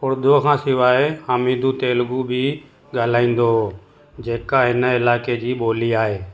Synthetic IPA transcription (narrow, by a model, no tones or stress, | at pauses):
pʊɾd̪ʱokʰãːsɪʋaːehaːmiːd̪ʱuːt̪eːlɡubʱi | ɡʱəːl̤aːĩːn̆d̪o | d͡ʒeːkaɦɪnəɪlaːked͡ʑiːɓoːliːaːɦeː